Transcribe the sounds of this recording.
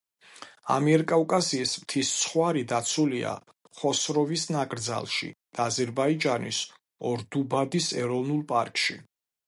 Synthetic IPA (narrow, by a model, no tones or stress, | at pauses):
a̰miɛɾkʼaukʼasiːsmt̪ʰist̪sʰχwaɾid̪at̪sʰulia̰ | χɔsɾɔvisnakʼɾd̪za̰lˠʃḭd̪̥aːzɛɾbaid͡ʒanḭs | ɔɾd̪ubad̪isɛɾɔvnulˠpʼa̰ɾkʼʃḭ